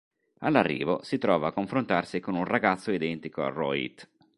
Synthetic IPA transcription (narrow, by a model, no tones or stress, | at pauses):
alːarːḭːvosit̪ɾɔːvaːkːoɱfɾont̪arsikonunraɡat̪sːoid̪ɛnt̪ikoa̰rɔḭt̪